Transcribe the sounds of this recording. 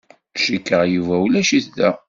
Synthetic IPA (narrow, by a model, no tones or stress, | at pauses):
ʃikːəʁjuvæwlæʃiθðæ